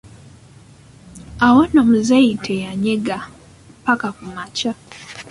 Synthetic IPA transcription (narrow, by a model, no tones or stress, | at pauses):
awonomuzeitʰejaɲeɡa | pakakumaca